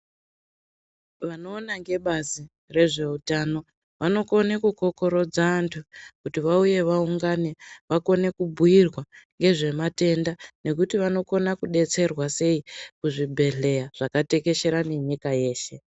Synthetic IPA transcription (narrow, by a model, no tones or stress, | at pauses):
ʋano̞ːnaŋɡe̞ɓazi | re̞ʐe̞utaːno̞ | ʋano̞ko̞ne̞kuko̞ko̞ɾo̞d͡zaːntʰukutiʋauje̞ʋauŋɡane̞ʋako̞ne̞kubʱujirwaŋɡe̞ʐe̞mate̞ndane̞k̬utiʋano̞ko̞nakuɗe̞t͡se̞rwase̞ikuʐibʱe̞ɮe̞jaʐ̥akate̞ke̞ʃe̞ɾane̞ɲikaje̞ːʃe̞